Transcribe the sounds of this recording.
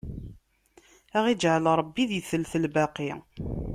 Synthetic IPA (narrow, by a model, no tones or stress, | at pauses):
æʁid͡ʒʕəlɾˤəbːiðjəθəlθəlbæqi